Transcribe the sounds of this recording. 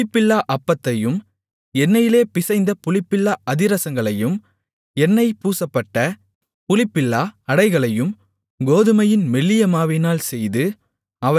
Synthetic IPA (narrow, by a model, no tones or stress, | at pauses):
ɪpːɪlːaːʔɐpːɐt̪ːɐjɯm | ɛnːɐjɪleːpɪsɐɪnd̪ɐpʊlɪpːɪlːaʔɐðɪɾɐsɐŋɡɐɭɐjɯm | ɛnːɐɪpuːsɐpːɐʈːɐ | pʊlɪpːɪlːaːɐɽɐɪɣɐɭɐjɯm | ɡoːðɯmɐjɪnmɛlːɪjɐmaːʋɪnaːlsɛjðɯ | ɐʋɐ